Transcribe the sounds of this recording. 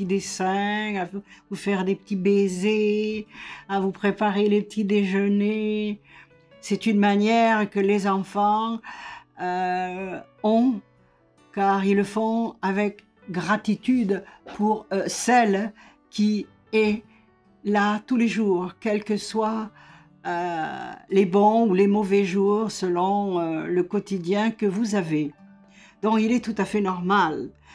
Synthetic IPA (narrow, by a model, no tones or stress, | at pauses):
t̪id̪esɛ̃avuvufɛʁd̪epə̥t̪ibeze | avupχepaʁelepət̪ʰid̪eʒəne | sɛt̪ynmanjɛʁkəlezɑ̃fɑ̃ | ø | ɔ̃ | kaʁiləfɔ̃avɛk | ɡʁat̪it̪yd̪pʰuʁsɛl | kʲi | ɛ | lat̪uleʒuʁkɛlkəswa | ø | lebɔ̃ulemɔvɛʒuʁsəlɔ̃øləkɔt̪id̪jɛ̃kəvuzave | d̪̥ɔ̃kilɛt̪ut̪afɛnɔʁmal